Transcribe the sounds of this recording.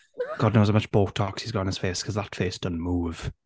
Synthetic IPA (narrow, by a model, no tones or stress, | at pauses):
ɡ̥ɒdⁿnoʊz̥̬aʊmət͡ʃb̥oːtʰɔksizɡɔʊɪ̃ŋɪz̥feːskʰɒzðətfeːsd̥ʌ̃nmuːv̥